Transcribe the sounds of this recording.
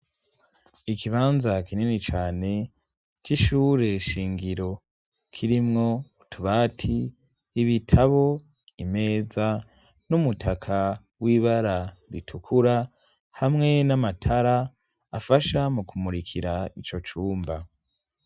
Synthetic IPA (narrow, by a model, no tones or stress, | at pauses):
ikʰiβaːnzakininit͡ʃaːne̞ | t͡ʃiʃuːɾe̞ʃiːŋɡiɾo̞ | kʰiɾimŋo̞ | tʰuβaːtʰiː | βitʰaβo̞ | ime̞ːza | numutʰakʰa | wiβaɾaɾitʰukʰuɾa | hamŋe̞namatʰaɾaː | faʃamukʰumuɾikʰiɾait͡ʃo̞t͡ʃuːmba